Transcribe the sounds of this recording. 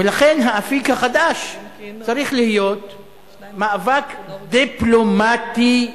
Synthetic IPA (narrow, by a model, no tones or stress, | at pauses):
velaχe̞nɦaafikhaχad̪aʃt͡saɾiχlihijo̞t̪ | maːvakd̪iplomat̪i